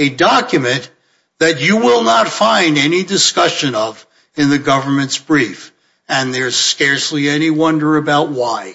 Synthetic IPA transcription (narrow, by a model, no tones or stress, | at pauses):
ɨdɑkjɨmɨ̃n | ðɨt͡ʃɨwɪlˠnətfãɪ̃ndɛnidɨskʌʃɨ̃nʌv | ɨ̃nðɨɡʌvə˞mɨ̃ntsb̥ɹif | ɨ̃nðə˞z̥skɛɹsliɛniwʌ̃ndə˞ɨbaʊt̚waɪ